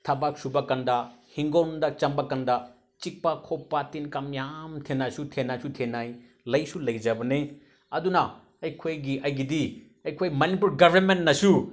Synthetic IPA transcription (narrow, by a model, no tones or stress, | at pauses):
tʰɐbak̚subɐkɐndɐhiŋɡondɐt͡ʃɐmbɐkandɐ | t͡ʃik̚pɐkʰopːatinkɐmjamtʰenːasutʰenːasutʰenaj | lɐjsulɐjd͡ʒɐbɐne | ɐdunɐ | ɐjkʰojɡiɐjɡidi | ɐjkʰojmɐnip̬ulɡɐbʱɐɾmentnɐsu